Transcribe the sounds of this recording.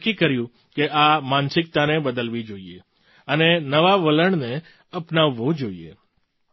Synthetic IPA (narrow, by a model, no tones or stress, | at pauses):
kːikəɾjũ | keʔamãnsɪk̚t̪anebəd̪əlʋid͡ʒoie | ənenəʋaʋələɳne | əpnaʋːõd͡ʒoiḛ